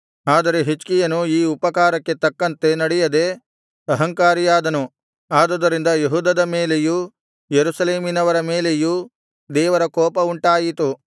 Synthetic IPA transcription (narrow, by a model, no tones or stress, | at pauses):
aːd̪ɐɾe̞ɦit͡ʃkijɐnuiːupɐkaːɾɐkːe̞t̪ɐkːɐnt̪e̞nɐɽɛjɐd̪e̞ | ɐɦɐŋkaːɾijaːd̪ɐnu | aːd̪ɐd̪ɐɾind̪ɐjeɦuːd̪ɐd̪ɐmeːleju | jeɾuʃɐleːminɐʋɐɾɐmeːle̞ju | d̪ɛːʋɐɾɐkɔːpɐuɳʈaːjit̪u